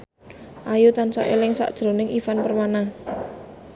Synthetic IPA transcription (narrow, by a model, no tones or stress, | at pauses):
ʔajut̪ansa̰ʔelɪŋsa̰ʔd̥ʒ̥ɾo̤nɪŋʔifanpərmana